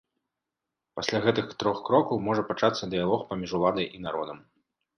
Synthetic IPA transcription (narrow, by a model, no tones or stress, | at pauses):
pasʲlʲaɣɛt̪ɨxt̪ɾɔxkɾɔkɐwmɔʐɐpat͡ʂat̪sːɐd̪ɨjalˠɔxpamʲiʐulˠad̪ɐjʔin̪aɾɔd̪ɐm